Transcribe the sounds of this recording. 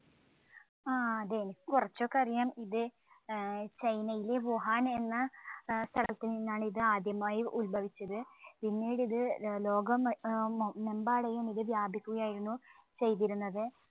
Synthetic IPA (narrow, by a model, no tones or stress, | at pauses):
aːɐd̪enikurɐt͡ɕːoːkːɐrijaːmiðɨ | t͡ɕɐjnɐjileʋoɦaːne̞nːɐst̪ʰɐɭɐ̰t̪ːilninːaːɳiðɨaːd̪jɐmaːjiʔulbʱɐʋit͡ɕːɐðɨpinːiːɽiðɨlo̞ːɡɐm | me̞mbaːɽejɐniðɨʋjaːbʱikʲːuɣɐjaːjiɾunːut͡ɕe̞jt̪̬iɾunːɐðɨ